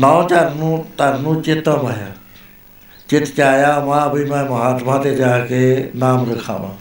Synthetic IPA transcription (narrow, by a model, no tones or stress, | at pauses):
nɔːt͡ʃaɾnũt̪ɐɾnũt͡ʃɪt̪əmɐɦa̰ | t͡ʃɪt̪t͡ʃaːjaːmãːɐbʱimɛ̃ːmɐɦaːt̪mãːt̪ed͡ʒaːkenaːmɾəkʰã̰ːmã̰ː